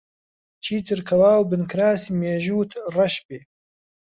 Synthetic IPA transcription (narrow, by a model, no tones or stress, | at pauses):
t͡ʃʰiːt̪ɨɾkʰɐwaːwbɨnkɾaːsiːmeːʒuːt̪ʰrɐʃbeː